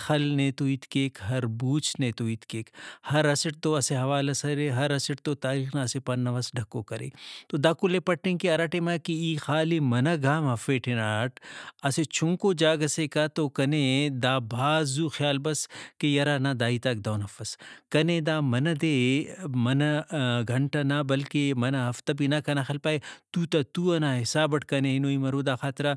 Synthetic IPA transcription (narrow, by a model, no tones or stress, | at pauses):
xɐlnet̪oit̪keːkɦɐɾbuːt͡ʃʰnẽːt̪oit̪keːkhɐɾɐsɪʈ̚t̪oɐseɦɐʋaːlɐsɐɾeɦɐɾɐsɪʈ̚t̪ot̪aːɾiːxnaɐsepɐnːɐʋɐsɖʱɐkːokɐɾḛːt̪od̪aːkʊlepɐʈːẽŋkiɐɾaːʈemakiiːxaːlimɐnɐɡʱaːmɦɐfeːʈʰenaːʈʰɐset͡ʃʰʊŋkod͡ʒaːɡɐsekat̪okɐned̪aːbʱaːzuːxjaːlbɐskejɐɾanɐd̪aːit̪ɐk̚d̪aːwnɐfɐskɐned̪aːmɐnɐd̪eːmɐnɐɡʱɐɳʈanabɐlkemɐnɐɦɐft̪ɐbinɐkɐnaxɐlpaːet̪uːt̪ɐt̪uɐnaːɦɪsaːbɐʈʰkɐneɪnoːimɐɾoːd̪aːxaːt̪ɾa